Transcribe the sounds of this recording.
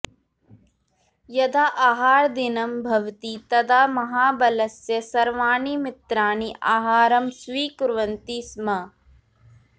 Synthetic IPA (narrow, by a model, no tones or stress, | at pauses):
jɐd̪aːʔaːɦaːɾd̪inɐmbʱɐʋt̪it̪ɐd̪aːmɐɦaːbɐlɐsjɐsɐɾʋaːɳimɪt̪ɾaːniʔaːɦaːɾɐmsʋiːkʊɾʋɐnt̪isma